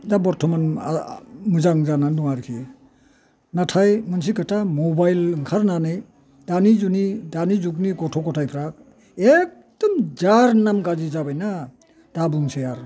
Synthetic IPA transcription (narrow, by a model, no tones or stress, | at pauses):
dabɔɾtʰɔman̰ | mɯzaŋzanandɔŋaɾkʰi | natʰajmɯns̬ikɯtamɔbajlŋkʰaɾnanɯj | d̥anizunidanizuk̬̚niɡɔtʰɔkɔtʰajpʰɾak̚ | ek̚d̥ɔmd͡ʒaɾnamɡad͡ʒizabajna | d̥abuŋsejaɾ